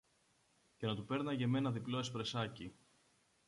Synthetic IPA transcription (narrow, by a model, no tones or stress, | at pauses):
cenɐt̪upe̞ɾnɐʝe̞me̞nɐðiplo̞espɾe̞sɐci